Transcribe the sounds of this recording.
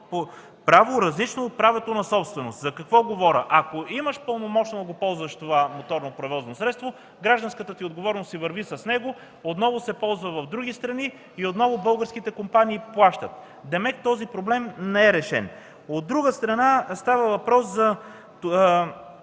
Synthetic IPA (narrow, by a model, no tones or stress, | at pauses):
po | pɾavoɾɐzlit͡ʃnoːt̪̚pɾavɛt̪onɐsɔpst̪vɛnost̪zɐkɐkvɔɡovɔɾʲəʔɐkoiməʃpəlˠnomɔt͡ʃnod̪ɐɡopɔlˠzvɐʃt̪ovamot̪ɔɾnopɾɛvɔznosɾɛt̪st̪vo | ɡɾaʒd̪ɐnskət̪ət̪iod̪ɡovɔɾɛnosivɐɾvisɐsnɛɡo | ot̪nɔvosɛpɔlˠzvəvɐvd̪ɾuɡist̪ɾɐni | iot̪nɔvobɤlˠɡəɾskit̪ɛkompaniːplˠaʃt̪ət̪̚ | d̪ɛmɛkt̪ɔzipɾoblɛmnɛɛɾɛʃɛ̰n | od̪̚ɾuɡəst̪ɾɐnast̪avəvɐpɾɔszɐ